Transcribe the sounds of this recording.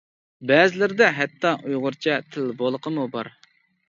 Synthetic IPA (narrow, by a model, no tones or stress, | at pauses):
bɛːzɪlɪɾɪd̪ɛɦɛt̪ːɑʔujʁʊɾt͡ʃʰɛt̪ʰɪlbolˠəqʰəmubɑɾ